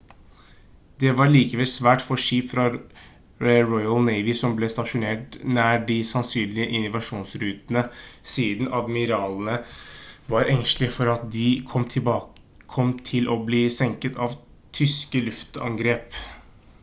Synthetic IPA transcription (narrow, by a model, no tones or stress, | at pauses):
d̪ɛʋɑɾɭiːkəʋɛlsʋæːʈfɔʂiːpfɾɑ | ɾɔʏɑlnæɪʋɪsɔmblɛst̪ɑʂʊneːʈnæːɖɪsɑnsyːnlɪəʔɪnʊʋɑʂuːnsɾʉːt̪ənəsiːd̪nɑd̪mɪɾɑːlənə | ʋɑɾʔɛŋslɪəfɔɾɑt̪̚d̪ɪkʰɔmʰbɑː | kʰɔmt̪ʰɪlʔɔbliːsɛŋkət̪ʰɑʋ | t̪ʰʏskəlʉft̪ɑ̰ŋɡɾeːp